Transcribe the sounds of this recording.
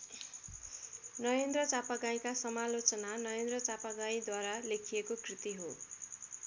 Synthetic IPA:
nʌɾend̪rʌt͡sapaɡaĩkasʌmalot͡sʌnanʌɾend̪rʌt͡sapaɡaĩd̪waɾalekʰijekokrit̪iɦo

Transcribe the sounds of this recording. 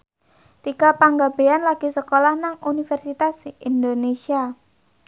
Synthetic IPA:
t̪ikapaŋɡab̥eanlaɡ̥i̤səkolahnaŋunifɛrsit̪asind̪onesia

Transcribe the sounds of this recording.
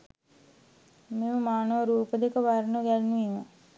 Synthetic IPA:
meməmaːnəʋəɾuːpəd̪ekəʋaɾnəɡælnuʋimə

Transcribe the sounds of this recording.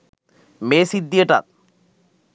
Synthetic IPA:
mesid̪ːieʈa̰t̪̚

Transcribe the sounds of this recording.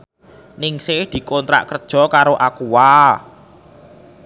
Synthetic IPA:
nɪŋsɪhd̪̥i̤kɔnt̪ɾa̰ʔkərd̥ʒ̥ɔ̤kaɾoʔakuwa

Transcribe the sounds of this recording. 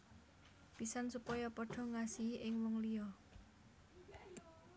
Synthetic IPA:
pisansupɔjɔpɔɖ̥ɔ̤ŋasiʔɪŋwɔŋliɔ

